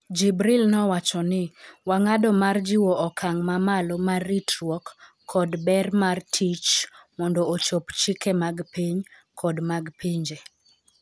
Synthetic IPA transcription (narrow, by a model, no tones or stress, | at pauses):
d͡ʒibɾilnɔwat͡ʃɔnɪwaŋadɔmard͡ʒɪwɔʔɔkʰaŋmamalɔmarːitɾwɔkʰː | ɔdbɛrmartʰit͡ʃmɔndɔot͡ʃopt͡ʃikemaɡpiɲ | kʰɔdmaɡpiɲd͡ʒe